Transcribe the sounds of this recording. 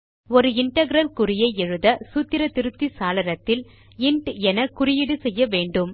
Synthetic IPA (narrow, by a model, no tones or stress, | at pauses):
ɔɾɯɪɳʈɐɡɪɾɐlkʊɾɪjɐɪɛɻɯðɐsuːt̪ːɪɾɐt̪ɪɾɯt̪ːisaːlɐɾɐt̪ːɪl | ɪɳɖɛnɐkːʊɾɪjɪɽɯsɛjːɐʋeːɳɖɯm